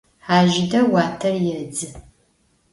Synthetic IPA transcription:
ħaːʒɪdɐwaːtʰɐrjɛd͡zɨ

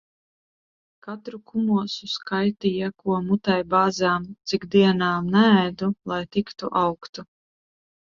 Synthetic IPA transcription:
kat̪ɾukumuɔsuskajt̪ijakuɔmut̪ajbaːzaːmt̪sikd̪iɛnaːmnɛːjd̪ulˠajt̪ikt̪ṵʔawkt̪u

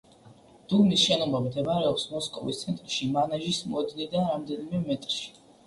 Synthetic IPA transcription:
d̪̥ubnisʃɛnɔmʁɛbd̪ɛbaɾɛɔpsmɔskʼɔ̰vḭst̪sʰɛnt̪ʼɾʃimanaʒismɔɛd̪nid̪anɾamd̪ɛnimɛmɛt̪ʼɾʃi̥

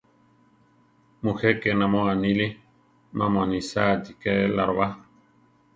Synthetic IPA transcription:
mũxɛkenãmɔ̃anili | mamanĩsad̪ikɛlaɾβa

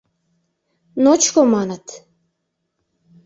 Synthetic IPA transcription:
not͡ɕkomɑnət̪

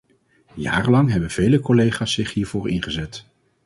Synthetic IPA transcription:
ja̰ːrəlɑŋɦɛbənv̥ejləkɔlejχaːsɪχɦiːɹv̥oːɹɪnχəzɛt

